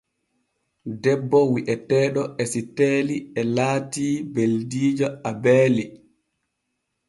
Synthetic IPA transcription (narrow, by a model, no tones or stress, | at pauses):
dɛbːɔwiʔɛtɛːɗɔʔɛsitɛːliɛlaːtiːbeldiːd͡ʒɔabɛːli